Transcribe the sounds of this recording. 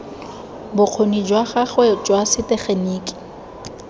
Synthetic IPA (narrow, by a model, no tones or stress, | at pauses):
bʊq͡χʰonid͡ʒwaɣaχwɛd͡ʒwasɪtɛχeniːkʼɪ̥